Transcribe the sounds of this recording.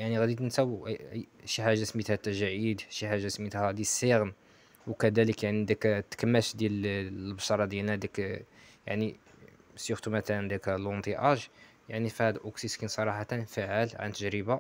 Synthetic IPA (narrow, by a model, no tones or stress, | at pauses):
jaʕniɣæd̪it̪nsæw | ʃiħaʒːaæsmit̪hæt̪ːæʒæʕid̪ʃiħaʒːasmit̪hæd̪jələsːiɣn | wkæd̪æləkjaʕnind̪ækt̪ːkəmːætd̪jællbʃɑɾˤɑd̪jælnæd̪ækja̰ʕni | sjuxt̪umæt̪ænd̪ækælwɑnt̪ˤiʔɑʒ | jaʕnifihæd̪lʔuksiskinsˤɑɾˤɑħɑt̪ænfaʕalʕa̰nt̪ːəʒɾəba